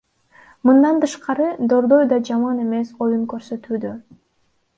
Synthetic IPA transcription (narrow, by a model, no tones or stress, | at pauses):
mɯnd̪ɑnt̪ɯʃqɑɾɯd̪o̞ɾd̪o̞jd̪ɑd͡ʒɑmɑne̞me̞so̞juŋkø̞ɾsø̞t̪yːd̪ø